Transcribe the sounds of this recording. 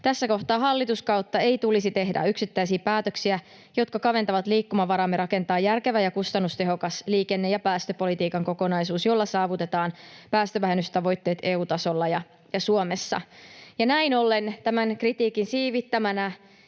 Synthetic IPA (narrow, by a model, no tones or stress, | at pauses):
t̪æsːæko̞ht̪ɑːɦɑlːit̪uskɑwt̪ːɑe̞it̪ulisit̪e̞ɦdæ̰yksit̪ːæis̬iːpæːt̪øksiæ | jo̞t̪kɑkɑʋe̞nt̪ɑʋɑt̪liːkːumɑʋɑɾɑmːeɾɑke̞nt̪ɑːjærkeʋæjɑkust̪ɑnːust̪e̞ɦo̞kɑsliːke̞nːejɑpæːst̪øpo̞lit̪iːkɑŋko̞ko̞nɑisuːsjo̞lːɑsɑːʋut̪e̞t̪ɑːnpæːst̪øʋæɦenːyst̪ɑʋo̞jt̪ːe̞ːt̪e̞ːuːt̪ɑso̞lːɑjɑ | jɑsuomesːɑ̰jɑnæinolːent̪æmæŋkrit̪iːkinsiːʋit̪ːæmænæ